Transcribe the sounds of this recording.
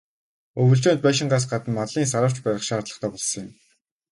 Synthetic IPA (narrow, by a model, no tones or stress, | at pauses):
ɵwɵ̆ɬt͡ɕoːnt̪̚pæːʃ̬ɪ̆ɴɢaːs̬ɢat̪ə̆mmat̪ɮiːnsaɾə̆ːw̥t͡ɕpæɾʲɪ̆χʃaːt̪ɮə̆χt̪ʰæːpɔɮsɞ̃̆ŋɪ̆m